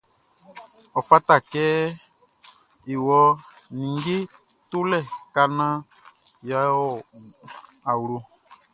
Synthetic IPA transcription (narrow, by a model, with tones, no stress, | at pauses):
ɔ˨fa˦ta˨kɛː˦ | i˨wɔ˦ | nĩ˨ŋɡe˦ | tu˦lɛ˦˨ka˦nã˦ | ja˦ɔ˨ | a˨wu˨ɾu˨